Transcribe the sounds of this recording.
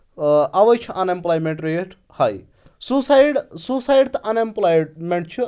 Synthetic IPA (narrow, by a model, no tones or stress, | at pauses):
ɐʋɐjt͡ʃʰiʔɐnemplajmẽɳʈɾeʈʰ | hɐj | susajɽsusajɖt̪ʔɐnemplajmeɳʈ̚t͡ʃʰi